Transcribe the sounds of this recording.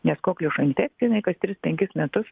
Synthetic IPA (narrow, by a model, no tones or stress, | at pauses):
nʲɛskoːklʲʊʃɐnʲt̪ʲɛksʲt̪ʲiɪnɐɪkɐst̪ʲɾʲɪspʲɛŋʲkʲɪsmʲɛt̪ʊs